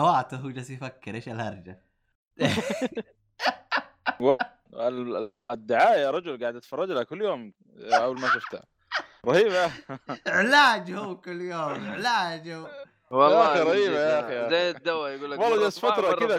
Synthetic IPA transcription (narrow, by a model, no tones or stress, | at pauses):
awaːt̪aɦuːd͡ʒasjfakːɪɾʔeːʃalhɑɾˤd͡ʒa | w | al | d̪ːɪʕaːʔjaɾˤɑd͡ʒʊlɡaʕɪd̪at̪fɑrˤːɑd͡ʒlakʊlːjoːm | ʔawlmaʃʊft̪a | ɾˤɑhiːbjaʕɪlaːd͡ʒhuwkʊlːjoːmʕɪlaːd͡ʒhʊː | waxiɾˤɑjiːbajaʔxijaeɪd̪ːawːajɡuːlːwɑlːɑd͡ʒasfat̪ɾˤɑɪd̪a